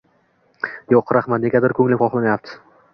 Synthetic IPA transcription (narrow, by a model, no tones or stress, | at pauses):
joqɾaχmat̪ne̞ɡʲad̪ɪɾkʰɵŋlɪpχɒχlˠanajap̚t̪ʰɪ̥